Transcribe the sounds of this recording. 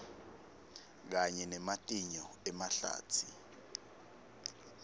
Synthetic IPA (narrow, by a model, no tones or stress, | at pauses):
k̬aɲɛnɛmatʼiɲɔɛmaɬa̰ːt͡sʰi